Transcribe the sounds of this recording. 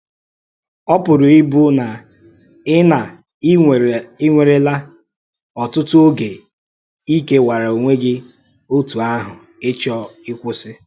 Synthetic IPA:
ɔ˦pʊ˨ɾʊ˨ɪ˦bu˦na˨ | ɪ˦na˨ | ɪ˦ŋʷe˨ɾe˦la˦ | ɔ˨tʊ˦tʊ˦o˦ɡe˨ | i˦ke˦wa˨ɾa˨o˨ŋʷe˦ɡɪ˦ | o˦tu˨a˦ɦʊ˨ | ɪ˦t͡ʃɔ˦ɪ˦kʷʊ˦sɪ˦

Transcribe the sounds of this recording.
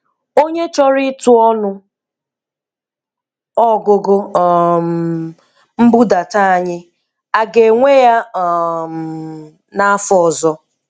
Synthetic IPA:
o˦ɲe˦t͡ʃɔ˦ɾɪ˦tu˦ɔ˦nʊ˦ | ɔ˦ɡo˨ɡo˦˨m | m̩˦bu˦da˨ta˦a˨ɲɪ˦ | a˨ɡe˨ŋʷe˦ja˦˨m˨ | na˨a˦fɔ˦˨zɔ˦

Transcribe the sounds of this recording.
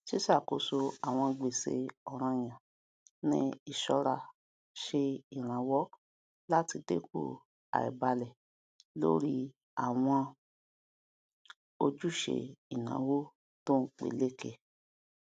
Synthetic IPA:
ʃi˦sa˦˨ko˨so˧a˨w̃ɔ̃˧ɡ͡be˨sḛ˧ɔ˨ɾ̃ã˧j̃ã˨ | nĩ˦i˦˨ʃɔ˧ɾa˨ | ʃe˧i˨ɾ̃ã˨˦wɔ˦ | la˦ti˧de˦ko̰˦˨ | a̰˨ḭ˨ba˧lɛ˨ | lo̰˦ɾi˦ | a˨w̃ɔ̃˧ | o˧d͡ʒu˦ʃḛ˧i˨nã̰˨˦wo˦ | to˦k͡pḛ˨le˦˨ke˦˨

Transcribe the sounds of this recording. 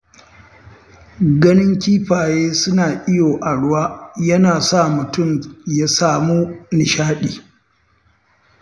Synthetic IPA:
ɡɐ˦nɪ˦ŋkʲiː˦ɸaː˨jeː˦sʊ˦naː˨ʔɪ˦joː˨ʔa˨ɽʊ˦waː˦jɐ˦naː˨sa˦˨mʊ˨tʊ˦˨mja˦saː˦˨muː˦nɪ˨ʃaː˦ɗiː˨

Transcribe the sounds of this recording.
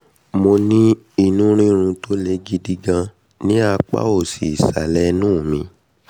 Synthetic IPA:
mo˧nĩ˦ | i˦˨nũ˦ɾ̃ĩ˦ɾ̃ũ˧to˦le˨˦ɡi˦di˦ɡã˧ | nĩ˦a˧k͡pa̰˦o˦˨si˨sa̰˨lɛ˦nũ˦˨mĩ˧

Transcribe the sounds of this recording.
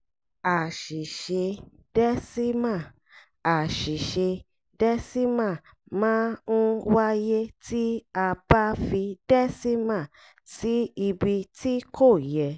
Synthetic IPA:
a˨ʃi˨ʃe˧ | d̥ɛ˦si˦mã˦˨ | a˨ʃi˨ʃe˧ | dɛ˦si˦mã˦˨ | mãː˦ñ̩˦wa˦je˦ti˦a˧ba˦fi˧dɛ˦si˦mã˦˨ | ti˦i˧bi˧ti˦kʰo˦˨jɛ˧

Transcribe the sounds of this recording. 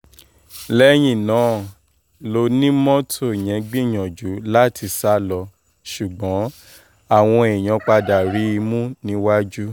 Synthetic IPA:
lɛ˦j̃ĩ˦˨nãː˨˦ | lo˧nĩ˦mɔ̃˦tʰo˦˨j̃ɛ̃˨˦ɡ͡bĩ˦˨j̃ɔ̃˨d͡ʒu˨˦la˦˨ti˧sa˦lɔ˧ | ʃu˨ɡ͡bɔ̃˨˦ | a˦˨w̃ɔ̃˧e˨j̃ɔ̃˨˧k͡pa˧da˨ɾi˨˦i˧mũ˦nĩ˦wa˦d͡ʒu˦

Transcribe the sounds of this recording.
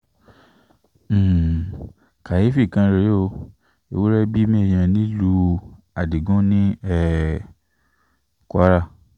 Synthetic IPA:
ka˨ji˨˦fi˦˨kã˧ɾe˨˦o˦˧ | e˨wu˦ɾɛ˦bi˦mĩ˦ɛ˨j̃ã˧nĩ˦lu˧ | a˨di˨ɡũ˦nĩ˦ɛ˦ | kʷa˦ɾa˦˨

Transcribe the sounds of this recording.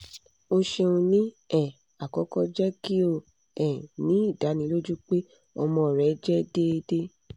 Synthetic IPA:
o˧ʃe˧ũ˧nĩ˦ | ɛ˦˨ | a˨kɔ˨˦kɔ˦d͡ʒɛ˦ki˦o˦˨ | ɛ̃˨nĩ˨˦i˦˨da˨˦nĩ˧˦lo˦d͡ʒũ˦k͡pe˦ | ɔ˧mɔ̃˧˨ɾɛ˨˦d͡ʒɛ˦de˦˧de˦

